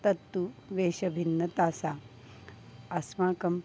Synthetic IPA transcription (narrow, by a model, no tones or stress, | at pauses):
t̪ɐt̪ːuʋeːɕɐbʱinːɐt̪aːsa | ɐsmãːkɐm